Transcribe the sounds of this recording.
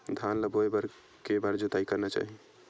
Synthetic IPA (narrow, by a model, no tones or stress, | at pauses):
d̪ʱanləbʱoebəɾ | kebaɾd͡ʒot̪aikəɾnɛt͡ʃa̰ɦi